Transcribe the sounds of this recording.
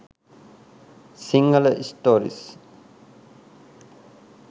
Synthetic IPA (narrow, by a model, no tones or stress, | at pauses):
siŋɡələisʈoːɾḭs